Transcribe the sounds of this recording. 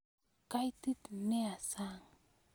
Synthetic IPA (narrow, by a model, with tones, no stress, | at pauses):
ka˦jt̪i˦t̪ne˦a˨sa˦ŋ